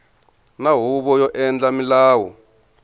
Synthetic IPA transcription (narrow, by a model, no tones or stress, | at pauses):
naɦuɓɔjɔʔɛnd͡ɮamilaːwɔ